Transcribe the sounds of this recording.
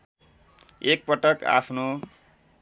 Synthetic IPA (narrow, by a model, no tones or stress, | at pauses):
ek̚pʌʈʌka̰pʰno